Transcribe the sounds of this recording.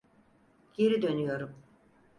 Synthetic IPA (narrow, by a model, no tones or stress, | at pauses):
je̞ɾid̪ø̞nyjo̞ɾum